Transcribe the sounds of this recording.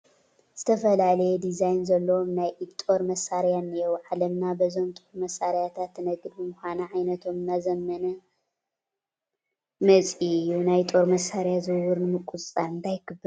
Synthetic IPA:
z̥ɨt̪ʰɐfɐlalɐjɛd̪izajnzɐlːɐwomnajʔt̪ʼo̞ɾmɐsaɾjanijowʕalɐmnabɐzo̞mt̪ʼoɾmɐsaɾijat̪ʰat̪ːɨnɐɡɾbɨmuxʷanɐʕajnɐt̪ʰo̞mɨnːazɐmːɐnɐ | mɐt͡sʼijunajt̪ʼo̞ɾmɐsaɾjazɨwʊɾnɨmɨkʼuzʼt͡sʼanɨnd̪ʰajkʰɨbːɨɾ

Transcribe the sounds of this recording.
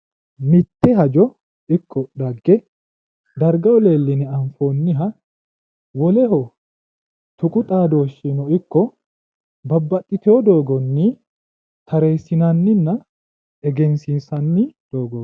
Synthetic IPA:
mɪt̪ːɛɦɐd͡ʒɔ | ɪkʰːɔd̪ɐɡːɛ | d̪ɐɾɡɐwɔleːlːɪnɛɐɱfoːnːɪɦɐ | wɔlɛɦɔ | t̪ʊkʼʊt̪ʼaːd̪o̞ːʃːinɔɪkːɔ | bɐbːɐt̪ʼːɪt̪ɛɔd̪o̞ːɡɔnːi | t̪ʰɐɾeːsɪnɐnːɪnːɐ | ɛɡɛnsinsɐnːɪd̪̥oːɡɔ

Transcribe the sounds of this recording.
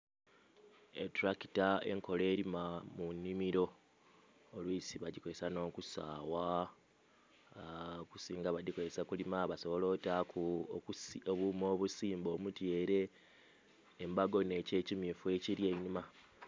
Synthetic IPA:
ḛtuɾaki̥tae̞̰ŋko̞le̞ːɾimamunːimiɾo̞ː | lwiːsiβaɟikoesano̞ːkusa̰ːwa | kusiːŋɡaβadikoesakulimaβaso̞βo̞lo̞ːtaku | oβumo̞ːβusiːmbo̞ːmutje̞ːɾe̞ | mbaɡo̞ne̞ːce̞ːcimifwe̞ciɾje̞ːɲːuma

